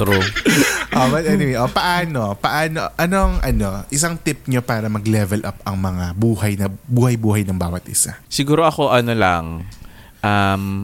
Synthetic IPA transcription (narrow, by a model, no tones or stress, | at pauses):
ɾu | ʔobɐt̪̚ʔɛnɪwɛʔopɐʔaːno̞pɐʔaːnoʔɐno̞ŋʔɐno̞ʔɪsaŋt̪ɪp̚ɲopaːɾɐmɐɡlɛvɛlʔɐpɐŋmɐŋabuːhɐjnɐbuːhɐjbuːhɐjnɐŋbaːwɐt̪̚ʔɪ̰sa̰sɪɡuːɾoʔɐko̞ʔɐnola̰ŋ | ʔam